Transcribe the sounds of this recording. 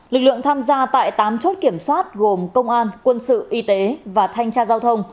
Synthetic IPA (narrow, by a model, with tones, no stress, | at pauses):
lɨ˨˩k̚lɨ̰˧˨əŋt̪ʰaː˧mzaː˧t̪a̰ː˧˨jt̪aː˨˦mt͡ɕo˦˥t̚ki˧˩əmswaː˦˥t̚ɣo˨˩mkə˧wŋ͡mʔaː˧nkwə˧nsɨ̰˧˨ʔi˧t̪e˨˦vaː˨˩t̪ʰa˧jŋ̟t͡ɕaː˧zaː˧wt̪ʰə˧wŋ͡m